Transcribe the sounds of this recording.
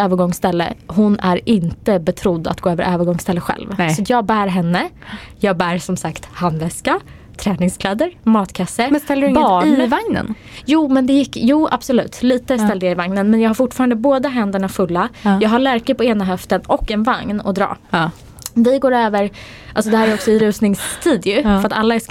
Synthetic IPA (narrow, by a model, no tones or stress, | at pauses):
øːvəɾɡɔŋsːt̪ɛlːə̰ɦʊnæɾɪnt̪əbɛt̪ʰɾʊd̪ːa̰t̪ɡ̥oːøːvəɾʔøːvəɾɡɔŋst̪ɛlːəɧɛ̰lvsɔt̪jɑːɡ̚bæːɾɦɛnːəjɑːɡ̚bæːɾsɔmsakt̪hand̪vɛska | t̪ʰɾɛːnɪŋskʰlɛːd̪əɾmɑːt̪kʰasːəɾmɛst̪ɛlːdɪbɑvaŋnə̰n | juːmɛnd̪ɛjɪkːjuːa̰b̥sɔlʉ̟ːt̪liːt̪əst̪ɛld̪jaɪvaŋnənmɛnjɑːɡhaɾfʊʈːfɑːɾand̪əboːd̪aɦɛnd̪əɳafɵlːajɑːɡɦaɭæɾkəpɔeːnaɦœft̪ənɔkːɛnvaŋnɔ̰d̪ɾɑ̰ː | vɪɡoːɾøːvəɾ | ʔalsɔd̪ɛhæːɾæjɔksɔɪɾʉ̟ːsnɪŋst̪ʰiːd̪jɵfɾat̪alːaɛs